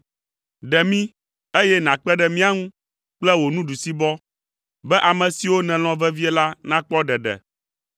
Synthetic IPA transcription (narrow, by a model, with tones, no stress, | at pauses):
ɖɛ˨mĩ˦ | e˦jɛ˦nã˨k͡pɛ˦ɖɛ˨mĩ˦a˦ŋũ˦ | k͡plɛ˦wo˨nũ˦ɖu˨si˦bɔ˦ | bɛ˦ʔa˨mɛ̃˨si˨wo˦nɛ̃˨l̃ɔ̃˨vɛ˦vi˦ɛ˦la˦nã˦k͡pɔ˦ɖɛ˨ɖɛ̰˨